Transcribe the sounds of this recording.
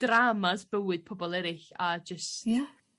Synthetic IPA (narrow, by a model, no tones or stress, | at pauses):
d̥ramasb̥əwɨd̥̚pʰɔbɔlˠɛɾɪɬad͡ʒəst